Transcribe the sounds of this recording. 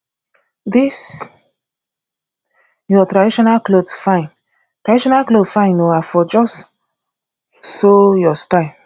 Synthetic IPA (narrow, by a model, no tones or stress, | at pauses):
dis | jɔtɹadiʃɔnalklodsfãɪ̃n | tɹadiʃɔnalklodfãɪ̃noafɔd͡ʒɔs | sojɔstaɪ